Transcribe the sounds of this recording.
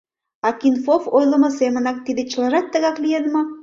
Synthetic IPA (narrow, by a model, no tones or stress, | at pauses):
ɑkinfofojlə̆mɤ̆semə̆nɑk̚t̪id̪et͡ɕəlɑʒɑt̪ːə̆ɣɑklijed̪mo